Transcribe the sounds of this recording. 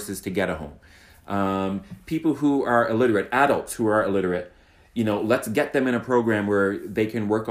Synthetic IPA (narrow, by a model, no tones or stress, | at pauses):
sɨz̥tʰɨɡɛɾəɦõ̰ʊ̃m | ʔʌ̃mpʰipl̩ˠɦuə˞əlɪɾə˞ɨɾæɾlˠtshuə˞əlɪɾə˞ɨt̚ | jɨnoʊlətsɡ̥ɛt̪̚ðɨ̃mɨ̃ɾ̃ɨpʰɹ̥oʊɡɹæ̃mwə˞ðeɪkʰɨ̃nwɜ˞k